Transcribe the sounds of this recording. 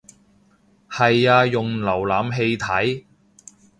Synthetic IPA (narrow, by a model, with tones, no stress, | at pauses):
hɐ˨jaː˧jʊ˨ŋlɐ˨˩wlaː˨mɦe˧jt̪ʰɐ˨˥j